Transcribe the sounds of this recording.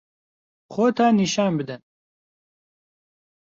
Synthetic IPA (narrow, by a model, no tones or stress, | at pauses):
xoːt̪ʰaːniʃaːnbɨd̪ɨn